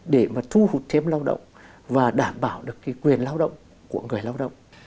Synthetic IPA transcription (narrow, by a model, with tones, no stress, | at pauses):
ɗe˧˩maː˨˩t̪ʰu˧hu˨˩t̚t̪ʰɛ˧˥mlaː˧wɗə̰˧˨wŋ͡m | vaː˨˩ɗaː˧˩mɓaː˧˩wɗɨ˨˩əkːaː˨˦jkwi˨˩ənlaː˧wɗə̰˧˨wŋ͡m | ku˧˩əŋɨ˨˩əjlaː˧wɗə̰˧˨wŋ͡m